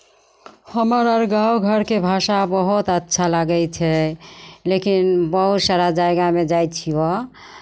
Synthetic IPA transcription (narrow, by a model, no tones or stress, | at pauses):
həməɾəɾɡawɡʱəɾkebʱasabəɦut̪ət̪ːʃʰalaɡɛt͡ʃʰɛ | lekinbəɦut̪saɾad͡ʒajɡamed͡ʒajt̪t͡ʃʰiɔ